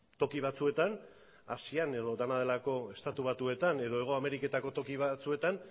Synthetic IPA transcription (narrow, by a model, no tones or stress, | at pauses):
t̪o̞kiβat͡sue̞t̪an | asiane̞ð̞o̞d̪anað̞e̞lako̞e̞st̪at̪uβ̞at̪ue̞t̪ane̞ðo̞e̞ɣ̞o̞ame̞ɾike̞t̪ako̞t̪o̞kiβ̞at͡sue̞t̪an